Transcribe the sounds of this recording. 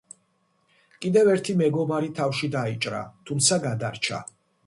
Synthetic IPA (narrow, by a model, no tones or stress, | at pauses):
kʼid̪ɛvɛɾt̪ʰimɛɡɔbaɾit̪ʰafʃid̪ait͡ʃʼɾa̰t̪ʰumt̪sʰaɡad̪aɾt͡ʃʰa̰